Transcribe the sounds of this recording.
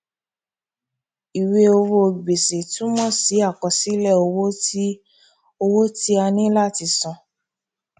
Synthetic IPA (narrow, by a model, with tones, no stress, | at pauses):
i˨we˧o˧wo˧ɡ͡be˨se˨tũ˨˦mɔ̃˦˨si˨˦a˦˨kɔ˨˧si˦lɛ˦˨o˧wo˦ti˦ | o˧wo˦ti˦a˧nĩ˦la˦˨ti˨˧˨sɔ̃˧˨